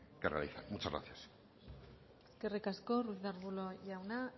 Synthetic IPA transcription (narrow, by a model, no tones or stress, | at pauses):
kerea̰liθamut͡ʃazɣɾa̰θjas | eske̞rikasko̞ruzðaɾβulo̞ʝawna